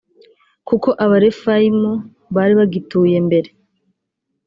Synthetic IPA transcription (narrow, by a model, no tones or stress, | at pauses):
kuko̞ʔaβaɾe̞faimo | βaːɾiβaɡituːje̞mbe̞ɾe